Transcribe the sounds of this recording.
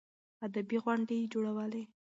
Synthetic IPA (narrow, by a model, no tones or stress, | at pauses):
ad̪abiɣwaɳɖed͡ʒoɽawəle